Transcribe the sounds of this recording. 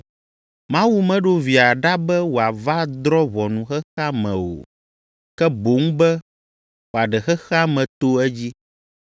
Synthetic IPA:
mã˦wu˦mɛ̃˦ɖo˦vi˨a˨ɖa˦bɛ˦wo˨a˨va˦d̪ɾɔ˦βɔ˨nũ˨xɛ˦xa˦mɛ̃˨o̰˨ | kɛ˦bo˨˦ŋ̩˦bɛ˦ | wo˨a˨ɖɛ˨xɛ˦xɛ˦a˦mɛ̃˨t̪o˦ɛ˦d͡ʑi˦

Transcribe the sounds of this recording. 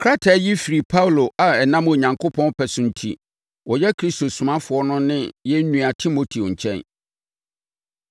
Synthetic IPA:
kʰɾa˦tʰa˨˦ji˦fi˨ɾi˨pʰa˦wlo˨ʔa˨ɛ˨nã˦mo˨ɲã˨ŋkʰo˦pʰɔ̃˦n˦pʰɛ˨sʊ̃˦n̩˦tʰḭ˦ | wɔ˨jɛ˦kʰɾi˦sto˨sʊ˨mã˦fʊ˨ɔ˦nʊ̃˦nɪ̃˦jɛ˦nũ˦˨a˨tʰi˦mo˨tʰi˨o˨ɲ̩˨t͡ɕʰɛ̰̃˦n

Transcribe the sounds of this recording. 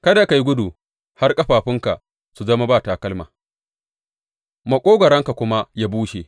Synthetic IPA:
kɐ˦da˨ka˨ji˦ɡʷʊ˦duː˨ | ha˦rkʼɐ˦ɸaː˨ɸɪ˦ŋka˨ | su˨zɐ˦ma˦baː˦˨ta˨kɐ˦lmaː˨ | ma˨kʷʼoː˦ɡʷɐ˨ɾɐ˦ŋka˨kʷʊ˦ma˦jaː˦buː˦ʃe˨

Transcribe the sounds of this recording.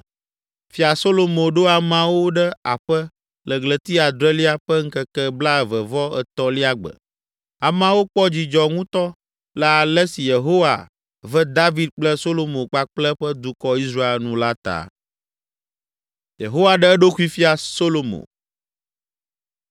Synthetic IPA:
fi˦a˨so˦lo˨mõ˨ɖo˦a˨mã˦wo˦ɖə˦a˨ɸə˦ | lə˨ɡlə˨t̪i˦a˨d̪ɾɛ˦li˦a˦ɸə˦ŋ̩˦kə˦kɛ˦bla˦ɛ˨və˨vɔ˦ɛ˨t̪ɔ˦li˦a˦ɡ͡bə̰˨ | a˨mã˦wo˦k͡pɔ˦d͡ʑi˨d͡ʒɔ˨ŋũ˦t̪ɔ˦ | la˦˨lɛ˦si˨je˨ɦo˦wa̰˨ | və˦d̪a˦vi˨˦d̪̚k͡plə˦so˦lo˦mõ˨k͡pa˦k͡plɛ˦ɸə˦d̪u˦kɔ˦i˦s̬ɾa˦e˨lnũ˦la˦t̪a̰˨ | je˨ɦo˦wa˨ɖə˦ɛ˦ɖo˦ku˦i˦fi˦a˨so˦lo˨mõ̰˨

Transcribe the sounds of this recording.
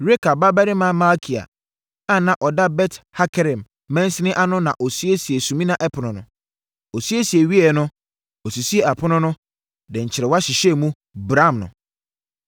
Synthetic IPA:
ɾe˦kʰa˨ba˦bɛ˦ɾɪ˦mã˦ma˦kʰi˨a̰˨ | ã˦˨nã˨ʔɔ˨da˦bɛ˦tha˦kʰɛ˦ɾɪ̃˨mː | ɛ̃˦n˦sɪ˦nɪ̃˦ʔa˦nʊ̃˦nã˨ʔo˨si˦e˦si˨e˨sũ˨mĩ˦nã˦ʔɛ˦pʰʊ˨nʊ̃˨nʊ̃˨ | o˨si˦e˦si˨e˨ɥi˦ɛ˨nʊ̃˦ | o˨si˨si˦e˨a˨pʰʊ˦nʊ̃˦nʊ̃˦ | dɛ̃˨ɲ̩˨t͡ɕʰɪ˨ɾɛ˨wa˦ɕɪ˨ɕɛ˦mũ˦ | bɾã˦˨mnʊ̰̃˨

